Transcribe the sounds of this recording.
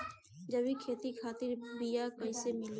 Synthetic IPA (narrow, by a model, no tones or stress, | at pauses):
d͡ʒəbikʰeːt̪ikʰaːt̪ɪɾbijakɐisemɪl